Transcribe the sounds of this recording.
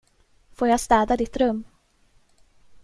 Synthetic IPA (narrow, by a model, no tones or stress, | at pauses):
foːɾjast̪ɛːd̪ad̪ɪt̪ɾɵmː